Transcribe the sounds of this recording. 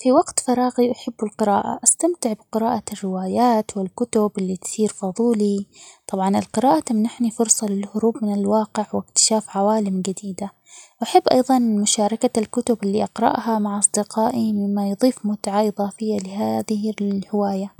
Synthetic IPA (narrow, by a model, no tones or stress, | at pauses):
fiwɑɡt̪fɑɾˤɑːɣiʔaħɪbːɪlqɪɾɑ̰ːʔa̰ʔast̪amt̪ɪʕbɪqɪɾɑːʔarːɪwaːjaːt̪wɪlkʊt̪ʊbʔɪlːit̪siːɾfɑðˤuːlit̪ˤɑbʕɑnɪlqɪɾaːʔat̪amnːʔaħnifʊɾsˤɑlɪlhʊɾuːbmɪnɪlwɑːqɪʕwɪk̚t̪ɪ̥ʃaːfʕawaːlɪmɡad̪iːd̪a | ʔaħɪbːʔɑ̰jðˤɑnmʊʃaːɾˤɑkalkʊt̪ʊbɪlːiʔɑqɾɑ̰ʔhamaʕʔɑsˤd̪ɪqɑːʔimɪmːajðˤiːfmʊt̪ʕaʔɨðˤɑːfɪjːalɪɦaːðɪhɪhɪwaːja